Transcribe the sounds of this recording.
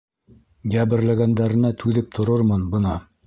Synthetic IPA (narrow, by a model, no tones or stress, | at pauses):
ɡæβɘ̆ɾlæɡænd̪æɾɘ̆næt̪ʰʉðɘp̚t̪ʰŏɾoɾmɤnbɤ̆nɑ